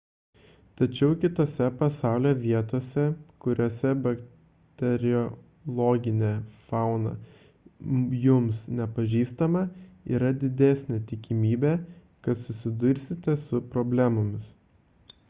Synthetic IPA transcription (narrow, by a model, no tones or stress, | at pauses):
t̪ɐt͡ʃʲɛʊkʲɪt̪oːsʲɛpɐsɑˑʊlʲoːʋʲiɛt̪oːsʲɛkʊɾʲoːsʲɛbɐk | t̪ʲɛɾʲɪɔ | lˠoːɡʲɪnʲeːfɑˑʊnɐ̰ | jʊmsnʲɛpɐʒʲiːst̪ɐmɐḭːɾɐd̪ʲɪd̪ʲæsʲnʲeːt̪ʲɪkʲɪmʲiːbʲe | kɐt̪sʊsʲɪd̪ʊɾʲsʲɪt̪ʲɛsʊpɾɔːbʲlʲæmomʲɪs